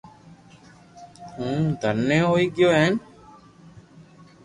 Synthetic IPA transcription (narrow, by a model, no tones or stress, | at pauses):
hũːd̪ʱənːẽːɦoːiːɡjoːɦɛːn